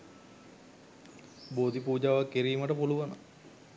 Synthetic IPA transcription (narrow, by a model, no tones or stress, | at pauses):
boːd̪ipuːd͡ʒaːʋakːiɾiːməʈəpuluʋanə̰